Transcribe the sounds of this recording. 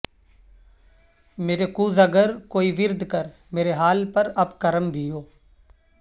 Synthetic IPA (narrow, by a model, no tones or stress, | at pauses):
meːɾekuːzɐɡəɾkoːiʋɪɾd̪kəɾ | meːɾeɦaːlpəɾɐbkəɾəmbʱioː